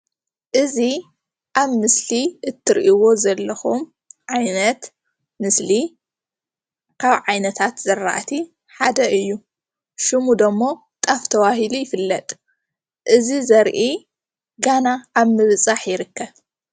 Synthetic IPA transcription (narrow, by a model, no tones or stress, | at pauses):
ʔɨzi | ʔaβmɨsliɨt̪ʰːɨɾʔiwo̞zɐlːɐxum | ʕajnɐt̪ | mɨsli | kʰaβʕajnɐt̪ʰat̪zɐɾːa̰ʔt̪ʰi | ħad̪ɐʔɨjːu | ʃɨmud̪ɐmːo̞ | t̪ʼaft̪ʰɐwahilujɪfɨlːɐt̪ʼ | ʔɨzizɐɾʔi | ɡanaʔaβmɨβt͡sʼaħjɪɾɨkːɐβ